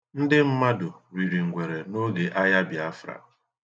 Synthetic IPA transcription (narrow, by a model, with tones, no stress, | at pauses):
n̩˦dɪ˦m̩˦ma˦dʊ˨ɾi˨ɾi˨ŋ̩˨ɡʷe˨ɾe˨no˦ɡe˨ʔa˦ja˦bja˦fɾa̰˨